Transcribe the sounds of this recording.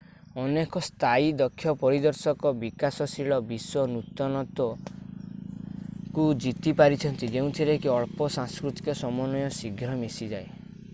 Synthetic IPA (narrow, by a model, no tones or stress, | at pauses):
ɔnekɔst̪ʰaid̪ɔkʰːjɔpɔɾid̪ɔɾsɔkɔbikasɔsiɭɔbiswɔnut̪ɔnɔt̪ɔ | kud͡ʒit̪ipaɾit͡ʃʰɔnt̪id͡ʒeũt̪ʰiɾekiɔɭpɔsãŋskɾut̪i̥kɔsɔmɔnɔjɔsiɡʱɾɔmesid͡ʒae